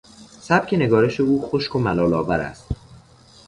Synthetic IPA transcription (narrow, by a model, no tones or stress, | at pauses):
sæb̥cʰʲe̞ne̞ɡɒːɾe̞ʃe̞uːxo̞ʃkʰomælɒːlɒːvæɾæ̰st̪